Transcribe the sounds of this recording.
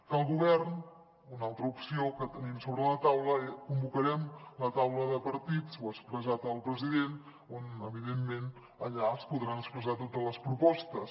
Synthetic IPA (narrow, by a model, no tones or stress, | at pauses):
kəlˠɣuβɛrn | unalˠt̪ɾəupsiokət̪ənimsoβɾələt̪awləkumbukəɾɛmlət̪awləðəpəɾt̪it͡swəkspɾəzat̪əlˠpɾəziðen | onəβiðemːen | əʎaəspuðɾanəkspɾəzat̪ot̪ələspɾupɔst̪əs